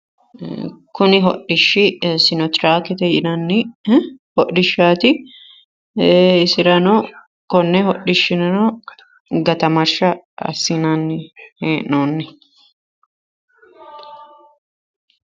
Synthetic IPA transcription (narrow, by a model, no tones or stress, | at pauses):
kʊnɪɦɔ̰ʔɪʃːɪsɪnɔt̪ɾaːkɛt̪ɛjɪnɐnːɪ | hɔʔɪʃːaːt̪ɪ | ɪsɪɾɐnoː | kɔnːɛɦɔɗːɪʃːɪnɐno | ɡɐt̪ɐmɐɾʃɐ | ɐ̰sːinanːɪheːʔnoːnːɪ